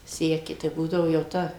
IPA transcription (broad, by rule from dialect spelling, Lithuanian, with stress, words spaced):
ˈsʲæːkʲɪ tɐɪ ˈbuːdɐʋoː jɛʊ ˈtɐ